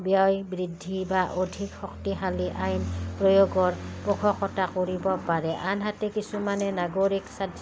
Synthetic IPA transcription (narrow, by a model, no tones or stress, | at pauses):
bjɔjbɹidʱːibaʔodʱikxɔktiɦaliʔajnpɹojoɡɔɹpɔkʰɔkɔtakoɹibɔpaɹɛʔanɦatɛkisumanɛnaɡoɹiksadʱ